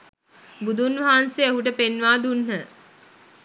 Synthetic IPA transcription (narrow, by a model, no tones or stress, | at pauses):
bud̪unʋaɦanseeɦuʈ̬əpenʋaːd̪unɦə